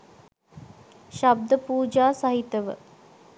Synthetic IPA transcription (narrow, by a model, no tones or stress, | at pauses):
ʃab̚d̪əpuːd͡ʒaːsaɦit̪əʋə̰